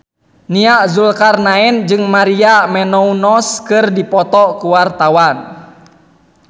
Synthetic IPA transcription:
niaʔzulkarnaɛnd͡ʒɨŋmaɾiamɛnɔunɔskɨrdipɔt̪ɔkuwart̪awan

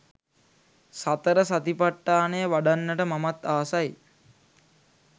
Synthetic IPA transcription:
sat̪əɾəsat̪ipaʈːaːnejəʋaɖanːəʈəmamat̪aːsaj

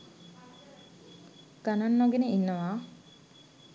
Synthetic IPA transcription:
ɡ̥ananːɔɡeneinːəʋa

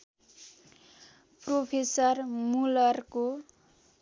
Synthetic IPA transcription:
propʰesʌrmulʌrko

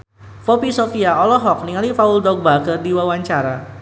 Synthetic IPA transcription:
fɔpisofiaɔlɔɦɔk̚niŋalifaʊldɔɡ̚bakərdiwawaɲt͡ʃaɾa

